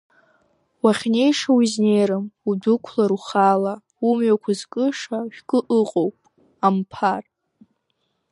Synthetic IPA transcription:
waχʲne̞jʂawizne̞jɾɨmudɨkʷʰlaɾuχala | umɥakʷʰazkʼɨʂaʒᶣkʼɨʔɨqʼowpʼ | ampʰar

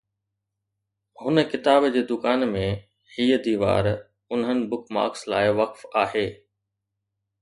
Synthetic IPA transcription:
hʊnə̆kɪt̪aːbd͡ʑeːd̪ʊkaːnmẽ | hiːəd̪iːʋa̰ːɾ | ʊnɦənɪ̆bʊkma̰ːkslaːɪʋɐkfaːɦeː

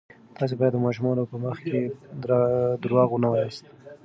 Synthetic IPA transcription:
t̪ɑs̬ebɑjad̪ːəmaʒmunopəməxke | d̪ɾwɑɣwunawaist̪

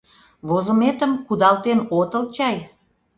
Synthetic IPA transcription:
βozə̆met̪əmkud̪ɑlt̪enot̪əlt͡ɕɑj

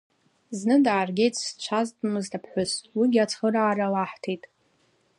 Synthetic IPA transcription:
znɨdaːrɡʲe̞jtʼst͡ʃʷʰaztʼmɨztʰapʰħʷʊswiɡʲiat͡sʰχəraːralaħtʰejtʼ

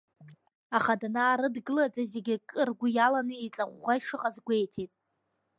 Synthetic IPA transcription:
aχadanaːɾɨdɡɨlad͡zʼazeɡʲɪkʼɨrɡʷʊjalanɨit͡ɬʼaʁʷːaiʂɨqʼazɡʷe̞jtʰejtʼ

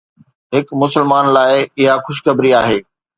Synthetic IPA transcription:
ɦɪkmʊsəlmaːnlaːɪɪɦaxʊʃ̬kɐbɾiaːɦeː

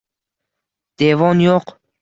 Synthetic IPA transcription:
d̪̥evɒnjoq

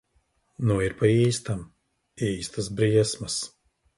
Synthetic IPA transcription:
nuiɾpaiːst̪am | iːst̪asbɾiɛsmɐs

